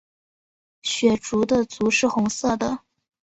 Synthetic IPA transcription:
ɕɥɛ˨˩ʈ͡ʂu˧˥d̪ə˧t͡su˧˥ʂɻ̩˥˩xʊ˧˥ŋsɤ˥˩d̪ə˩

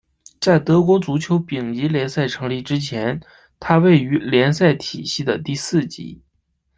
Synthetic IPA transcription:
t͡sa˥˩ɪt̪ɤ˧˥kwɔ˧˥t͡su˧˥t͡ɕʰjo˧˥ʊpi˨˩ŋi˧˥ljɛ˧˥nsa˥˩ɪʈ͡ʂʰɤ˧˥ŋli˥˩ʈ͡ʂɻ̩˥t͡ɕʰjɛ˧˥n | t̪ʰa˥we˥˩ɪy˧˥ljɛ˧˥nsa˥˩ɪt̪ʰi˨˩ɕi˥˩d̪ə˩t̪i˥˧sɹ̩˥˩t͡ɕḭ˧˥

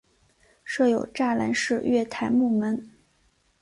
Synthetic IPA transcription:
ʂɤ˥˩jo˨˩ʊʈ͡ʂa˥˩la̰˧˥nʂɻ̩˥˧ɥɛ˥˩t̪ʰa˧˥ɪmu˥˩mə˧˥n

